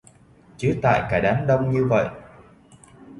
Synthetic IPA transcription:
t͡ɕɨ˨˦t̪a̰ː˧˨jkaː˧˩ɗaː˨˦nɗə˧wŋ͡mɲɨ˧və̰˧˨jʔ

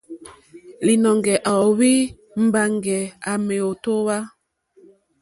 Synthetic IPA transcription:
li˨nɔ˨ŋɡɛ˨ʔa˨ɔ˨wi˦ | m̩˨ba˨ŋɡɛ˨a˨me˨o˨to˦wa˦

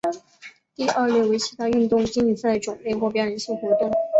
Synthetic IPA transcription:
t̪i˥˧ʔɐ˞˥˧ljo˥˩ʊwe˧˥ɪt͡ɕʰi˧˥t̪ʰa˥y˥˧nt̪ʊ˥˧˩ŋt͡ɕi˥ni˨˩sa˥˩ɪʈ͡ʂʊ˨˩ŋle˥˧xwɔ˥˧˩pjɛ˥ɻə˧˥nɕi˥˩ŋxwɔ˧˥t̪ʊ˥˩ŋ

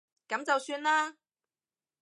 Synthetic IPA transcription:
kɐ˨˥mt͡sɐ˨wsyː˧nlaː˥

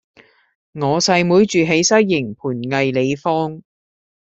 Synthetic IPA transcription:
ŋɔː˨˧sɐ˧jmuː˨˥jt͡ʃyː˨ɦe˨˥jsɐ˥jːɪ˨˩ŋpʰuː˨˩nŋɐ˨jle˨˧jfɔː˥ŋ

